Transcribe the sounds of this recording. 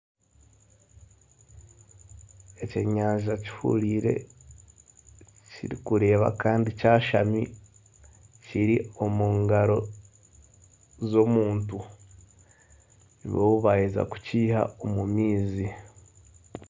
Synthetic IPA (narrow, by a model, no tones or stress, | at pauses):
e̞ceɲaːɲʒaci̥hṵliːɾe̞̰ | ciɾikuɾe̞ːβa̰kaːndicaːʃami | ciɾio̞muːŋɡaɾo̞ | zo̞muːntu | niβowuβajiza̰ku̥ciːha̰omumiːzi